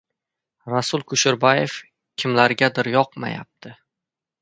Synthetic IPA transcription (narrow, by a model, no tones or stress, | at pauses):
ɾasʊlˠkʰʊʃʊɾbɒjef | kʲʰɪmlaɾɡʲad̪ɪɾjɒqma̰ja̰p̚t̪ʰɪ